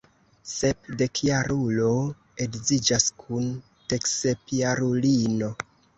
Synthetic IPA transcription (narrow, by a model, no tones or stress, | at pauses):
se̞pde̞kʰjaɾulo̞ | e̞ɡzid͡ʒaskʰun | te̞ksepjaɾulino̞